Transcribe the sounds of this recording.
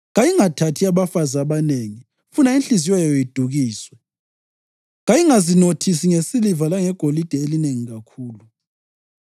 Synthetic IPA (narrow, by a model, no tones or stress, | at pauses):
ɣajiŋatʰatʰiaβafazaβaneŋi | funainɬiziwajɔjid̥ʱuɣiːswɛ | ɣajiŋazinotʰisiŋesilivalaŋɛɡ̥ʱolid̥ʱɛelineŋiɣakʰuːlu